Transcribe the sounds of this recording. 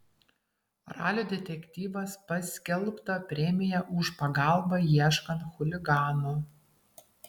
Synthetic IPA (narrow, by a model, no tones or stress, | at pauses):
ɾɑ̰ːlʲuːd̪ʲɛt̪ʲɛkʲt̪ʲiːʋɐspɐsʲkʲɛlˠpt̪ɐpʲɾʲɛmʲɪjɛʔʊʃpɐɡɑˑlˠbɐjiɛʃkɐnt̪xʊlʲɪɡɑːnu